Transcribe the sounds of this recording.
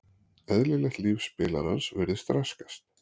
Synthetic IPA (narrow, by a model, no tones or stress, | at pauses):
ɛðlɪlɛxt̪lifspɪːla̰ɾansvɛɾðɪst̪ɾaskḁst̪